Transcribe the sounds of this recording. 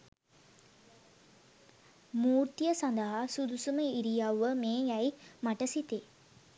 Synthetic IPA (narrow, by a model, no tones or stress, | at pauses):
muːɾt̪ijəsand̪əɦasud̪usuməiɾijawʋːəmeːjæimaʈəsit̪e